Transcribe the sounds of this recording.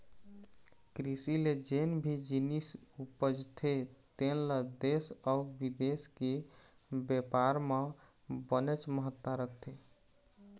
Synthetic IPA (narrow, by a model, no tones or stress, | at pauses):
kɾisiled͡ʒenbʱid͡ʒinisupəd͡ʒt̪ʰet̪enləd̪esaubid̪eske | bepaɾme | bənet͡ʃməɦət̪ːaɾəkʰt̪ʰe